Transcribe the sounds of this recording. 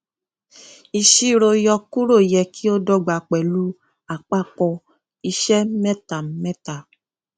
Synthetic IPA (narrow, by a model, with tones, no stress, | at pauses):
i˧ʃi˦ɾo˧jɔ˧ku˦ɾo˦˨jɛ˧ki˦o˦dɔ˦˨ɡ͡ba˨k͡pɛ˨lu˦ | a˨k͡pa˦˨kɔ˧ | i˧ʃɛ˦mɛ˦ta˨˦mɛ˦ta˨